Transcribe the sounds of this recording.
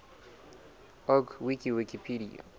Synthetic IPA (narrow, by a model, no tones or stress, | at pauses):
ɔɡwikiwikipʰiɾia̰